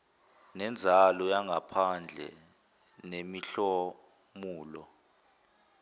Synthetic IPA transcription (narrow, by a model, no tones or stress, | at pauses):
nɛnd͡zʱalɔjaŋʱapʰand͡ɮʱɛ̰ | nemiɬɔ | muːlɔ